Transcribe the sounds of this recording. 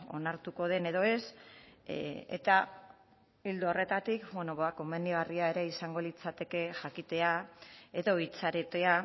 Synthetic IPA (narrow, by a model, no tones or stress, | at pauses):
o̞̰naɾt̪uko̞ð̞e̞ne̞ð̞o̞e̞s | ḛt̪a | ild̪oore̞t̪at̪ikbweno̞βako̞me̞niɣ̞ariae̞ɾe̞isaŋɡo̞lit͡sat̪e̞ke̞ʝakit̪e̞ae̞ðo̞it͡saɾet̪e̞a